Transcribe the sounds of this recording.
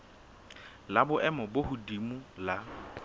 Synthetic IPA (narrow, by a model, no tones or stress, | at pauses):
labʊʔɛmɔbohʊdimula